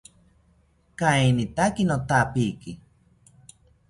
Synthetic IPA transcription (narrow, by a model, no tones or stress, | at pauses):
kaenit̪akinot̪apiki